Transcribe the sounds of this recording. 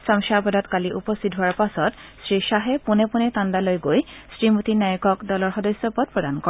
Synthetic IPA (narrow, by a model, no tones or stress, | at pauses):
samʃabɔdɔtkaliʔupɔst̪ʰit̚ɦuaɹpasɔt | sɹiʃaɦɛpunɛpunɛt̪andalojɡojsɹimut̪inajɔkɔkdɔlɔɹxɔdɔsɔpɔd̚pɹɔdankɔ